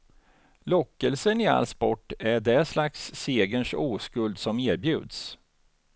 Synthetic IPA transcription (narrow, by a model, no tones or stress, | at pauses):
lɔkːəlsənɪa̰lːspɔʈːæɖɛslaksːeːɡənʂuːskɵld̪sɔmeːɾbjʉ̟ːd̪s